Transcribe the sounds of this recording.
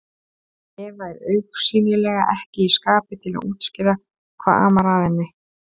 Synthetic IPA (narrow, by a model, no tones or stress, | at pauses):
ɛvaɛɾœɥksiːmlɪlɛːɣaʔɛhcɪiskaːpɪt̪ʰɪla̰uːt̪scɪɾa | kʰva̰ːða̰ːmaɾaːðɪnːɪ